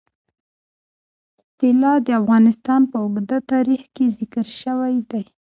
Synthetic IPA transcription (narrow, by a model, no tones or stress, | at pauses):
ʊpɪlɑd̪əafɣɑnɪst̪ɑnpəʊɡd̪at̪ɑɾixkezɪkəɾʃəwajd̪aj